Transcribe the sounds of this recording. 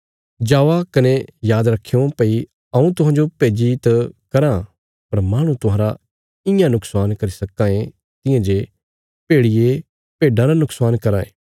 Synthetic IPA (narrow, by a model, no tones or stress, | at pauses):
d͡ʒaːʋakɐnejaːd̪ɾɐkʰːeãpei | ɐũt̪ʊɦãːnd͡ʒopeːd͡ʒit̪ɐkɐɾã | pɐɾmaːɽ̃ũt̪ʊɦãːɾa | ɪjãnʊksaːnkɐɾisɐkːãːẽ | t̪ɪ̃jãd͡ʒe | peːɽɪje | peːɖãɾanʊksaːnkɐɾaːḛː